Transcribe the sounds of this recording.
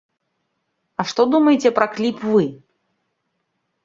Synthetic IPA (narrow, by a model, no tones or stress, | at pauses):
ɐʂt̪ɔd̪umɐjet͡sʲɛpɾɐklʲipvɨ